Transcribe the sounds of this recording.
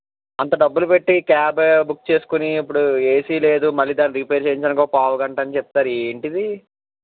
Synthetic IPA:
ɐnt̪̬ɐɖɐbːulupe̞ʈːikaːbbuk̚ːt͡ʃe̞ːsu̥kuniːpːuɽueːsile̞ːd̪umɐlːiːd̪aːnːiɾipeːɾt͡ʃeːjiɲt͡ʃɐnɐkoːpaːʋuɡɐɳʈɐnit͡ʃɛp̚t̪aːɾeːɳʈid̪i

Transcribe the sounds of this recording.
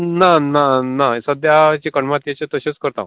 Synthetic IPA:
nananasəd̪jat͡ɕikəɳmat̪jet͡ɕet̪əɕət͡skəɾt̪ã̰

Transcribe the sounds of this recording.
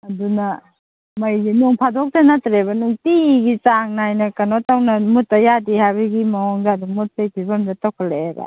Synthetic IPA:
ɐdunɐ | mɐjdinuŋpʰadɔk̚tanatɾebɐnuŋtiɡit͡ʃaŋnajnɐkɐnɔtawnɐmutajadihabɐɡimɐɔŋdaːdumut̚ːejpʰibɐmdatawkʰaleeba̰

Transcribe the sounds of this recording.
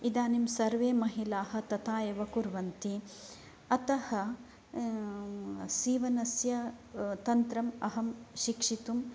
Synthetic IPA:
id̪aːnimsɐɾʋeːmɐɦilaːhɐ̆t̪ɐt̪aːjɐʋɐkuɾʋɐnt̪i | ɐt̪ɐhɐ | siːʋɐnɐsjɐt̪ɐnt̪ɾɐmɐɦɐmʃikʂit̪um

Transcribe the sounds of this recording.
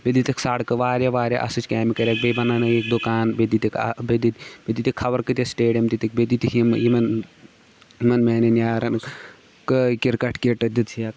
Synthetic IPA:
bed̪it̪iksaɽkɨʋaːɾʲjaʋaːɾʲja̰ʔɐ̰sɨt͡ʃʲkʲaːmikɐɾʲaːk̚bejbɐnaːnɐjek̚d̪ukaːnbed̪it̪ikbed̪it̪bʲed̪it̪ikʰːɐʋɐɾkɨt̪ʲɐsʈeːɖijɐmt̪it̪ikbed̪it̪ikimimɐn | imɐnmeːnɐnʲaːɾɐnɨk | kəkiɾkɐʈʰkeʈɐd̪ɨt̪ʰijɐk

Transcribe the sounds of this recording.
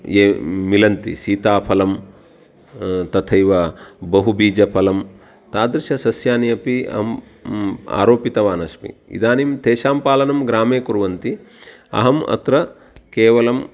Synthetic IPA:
eːmilɐnt̪ḭsiːt̪aːpʰɐlɐm | t̪ɐt̪ʰɐjʋɐbɐɦubiːd͡ʒɐpʰɐlɐm | t̪aːd̪ɾiʃɐsɐsjaːnijɐpiɐ̰ɦɐm | a̰ːɾoːpit̪ɐʋaːnɐʃpḭḭd̪aːnimt̪eːʃaːmpaːlɐnɐmɡɾaːmeːkuɾʋɐnt̪i | ɐ̰ɦɐmɐ̰t̪ɾɐ | keːʋɐlɐm

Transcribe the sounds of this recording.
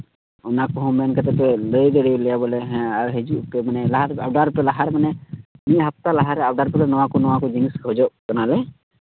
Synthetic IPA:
unakɔɦɔmbɛnkət̪ɛpɛləjd̪eɽilɛjabɔlɛɦɛ̃aɾɦed͡ʒuʔpɛmanɛlaɦaɾabɖaɾpɛlaɦaɾmanɛniɦap̚t̪alaɦaɾɛabɖaɾpɛlɛnɔwakunɔwakɔd͡ʒiŋskɦɔd͡ʒɔkənalɛ

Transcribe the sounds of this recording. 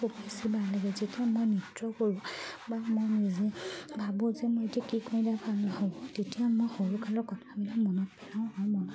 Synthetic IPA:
opisibalaɡɛzetijamojnitɹɔkoɹũbamojnizɛbʱabuzɛmojetiakikʰɔ̃j̃dapʰanaɦɔtetijamojxoɹukʰalɔkɔtʰabilamɔnɔt̚pɛnaʊ̃ɔmɔnɔ

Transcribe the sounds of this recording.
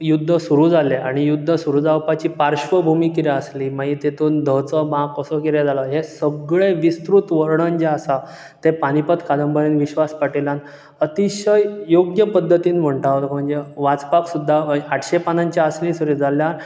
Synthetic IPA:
jud̪ʱːəsuɾuːd͡zaljeaɽ̃ijud̪ʱːəsuɾud͡zaʋpat͡ɕiːpaɾɕʋəbʱumiːkiɾeəsliːmait̪et̪ʰuːnd̪ʱət͡səbãkəsɔkiɾed͡zaləɦesəɡɭeʋist̪ɾut̪ʋəɾɳənd͡ʑaəsa | t̪epaɽ̃ipət̪kad̪əmbəɾenʋiɕʋaspaʈilan | ət̪iɕəjjoɡjəpəd̪ʱːət̪iːnm̤əɳʈaʋt̪kəm̤ənd͡zeʋat͡spaksud̪ʱːaaʈʰɕepanaɲt͡ɕjaəslĩsuɾid͡zaljan

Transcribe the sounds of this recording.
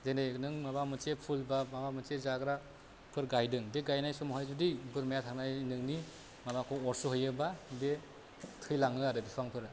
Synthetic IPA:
zenajnɯŋmabamɯt͡ʃepʰulbamabamɯt͡ʃezaɡɾa | pʰɯɾɡajdɯŋbeɡajnajsɔmɔɦajzudijbɯɾmajatʰaŋnajnɯŋni | mabakʰɔɔɾsuɦɯjɯbabe | tʰɯjlaŋlɯaɾɯbipʰaŋpʰɯɾ

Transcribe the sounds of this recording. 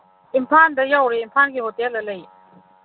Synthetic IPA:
ʔimpʰand̪əjawreʔmpʰankiɦot̪elələj

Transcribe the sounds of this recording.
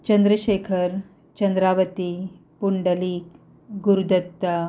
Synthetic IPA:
t͡ɕɐnd̪ɾəʃeːkʰəɾ | t͡ɕɐnd̪ɾaːʋət̪i | puɳɖəliːk | ɡuɾud̪ɐt̪ːa

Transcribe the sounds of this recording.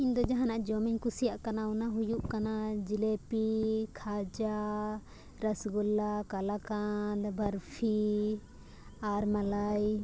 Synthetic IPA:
ind̪ɔd͡ʒaɦanaʔd͡ʒɔmɛɲkusijaʔkanaunaɦujuʔkanad͡ʒilɛpikʰad͡ʒa | ɾəsɡɔlakalakad̪bʱəɾpʰi | aɾmalaj

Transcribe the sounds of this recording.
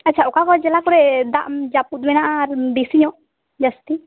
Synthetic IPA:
atːt͡ʃʰaɔkakɔd͡ʒɛlakɔɾɛd̪a̰ʔmd͡ʒaput̪̚bɛnaʔaːɾd̪isiɲɔ | d͡ʒast̪i

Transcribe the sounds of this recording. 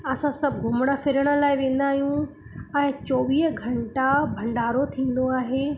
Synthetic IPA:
ɐsãsɐbʱɡʱʊmɽ̃afɪɾəɽ̃ə̆laːɪʋẽːn̆d̪aːɦijũ | ɛ̃ːt͡ɕoːʋiːɦɡʱɐ̃ɳʈabʱɐ̃ɳɖaːɾot̪ʰĩːn̆d̪oaːɦeː

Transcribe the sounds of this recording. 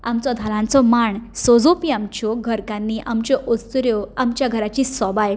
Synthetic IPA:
amt͡sɔd̪ʱalãnt͡sɔmaɳsɔd͡zopiamt͡ɕɔɡʱəɾkãnːiːʔamt͡ɕɔʔost̪uɾjɔamt͡ɕjaɡʱəɾat͡ɕiːsɔbaj

